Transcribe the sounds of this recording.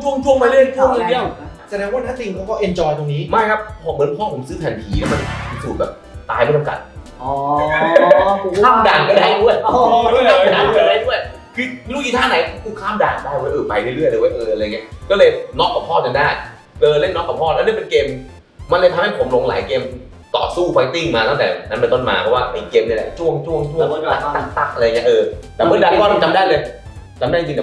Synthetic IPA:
t͡ɕʰu˧ə˧ŋt͡ɕʰu˧˥əŋma˧lɯe˥˩˨n˧˥t̪ʰu˥˩əʔi˧ŋdi˧˥əwsa˧˩dɛː˧˥ŋwaː˥˩nʰa˥˩t̪i˧˩ŋkʰo˨˦˥kɔː˥˩ʔe˧nt͡ɕɔː˧jt̪o˧ŋniː˦˥maː˥˩jkʰa˦˥p̚pʰɔː˧˩bɤː˧˥˦npʰɔː˥˩pʰo˩˦sɯː˦˥p̪ʰɛː˨˩npʰiː˨˦ni˧˩ma˧npʰi˧suː˨˩t̚bɛː˨˩p̚t̪aː˧˩jpe˧˩nka˧ŋka̰˨˩t̪̚ | ɔ˨˧˦ | kʰaː˥˩mdaː˨˩ŋka˧˩daː˧˩t̪ʰu˥˩əja˧˥˩a˧daː˨˧a˧daː˧˥˩jt̪ʰu˥˩əj | kʰɯː˧˩lu˧˥˩iː˧˩t̪ʰaː˥˩na˨˦jʰkʰuː˧˩kʰaː˥˩mda̰ː˨˩ŋdaː˥˩jwa˦˥˩jʔɤː˨˩pa˧jt̪ʰa˥˩˨ɾɯ˥˩əjd̪ɤː˧wa˦jʔɤː˨˩ʔa˨˧˨ŋːi˦˥kɔː˥˩lɤː˧jnɔː˦˥kːaː˨˩pʰɔː˥˩t͡ɕa˧ndaː˥˩j | lɤː˧le˥˩nːɔː˦˥kːa˨˩p̚ʰɔː˥˩lɛ˦˥niː˥˨pe˧nkeː˧m | ma˧nla˧˩t̪ʰa˧mha˥˩jpʰo˩˦mlo˧ŋlaː˨˦jkeː˧m | t̪ɔ̰ː˨˩suː˥˩fʰa˧ŋt̪i˥˩ŋmaː˧t̪a˥˩ŋt̪ɛ̰ː˨˩na˦˥npe˧nt̪o˥˩nma̰ː˧pʰɔ˧˥waː˥˩pa˧˩keː˧mni˥˩˨lɛ̰˧˩t͡ɕʰu˥˩əŋt͡ɕʰu˥˩əŋt͡ɕʰu˥˩ə˨ŋ˧˩˧a˦˥˩t̪a˧˩ŋt̪a˦˥˩ʔlːjŋi˦˥ʔɤː˧t̪ɛː˨˩mɯ˥˩˨daː˧˦˧kɔː˥˩lt͡ɕa˧mdaː˥˩jlɤː˧jt͡ɕa˧mdaː˥˩˨t͡ɕi˧˨˩

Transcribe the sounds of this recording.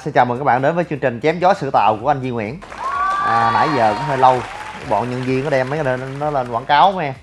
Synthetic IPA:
sɛ˧t͡ɕaː˨˩wm˨˩kːk̚ɓ̰aː˧˨ɗe˨˦nvəː˨˦jt͡ɕɨ˧əŋt͡ɕï˨˩ŋ̟t͡ɕɛ˨˦mzɔ˨˦˥jsɨ̰˧˨t̪a̰ː˧˨wku˧˩əʔa˧ŋ̟zi˧ŋwḭ˧˩n | ʔəː˨˩na̰ː˧˩˦jzə̰ː˧˨˩kʊ̰˧˥ŋ͡mɦəː˧jlə˧wɓɔ̰˧˨nɲə˧nzi˧əŋnə˨˦ɗɛ˧mːə˨˦ə˧nɔ˨˦lə˧˩nkwaː˧˩ŋkaː˨˦wmɛ˧

